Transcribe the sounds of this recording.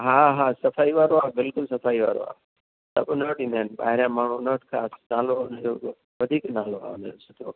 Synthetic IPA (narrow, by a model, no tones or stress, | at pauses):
ɦaːɦaːsɐfaːiʋaːɾoaːbɪlkʊlsɐfaːiʋa̰ːɾo̰ːa̰ː | t̪ɐ̰ʊnəːʈĩːnd̪enɓa̰ːɦɪɾjãːmaːɳ̤ũnəːʈkʰaːsnaːloʊnd͡ʒoː | ʋɐd̪ʱiːknaːloa̰ːʊnosʰɪt̪ʰo̰ː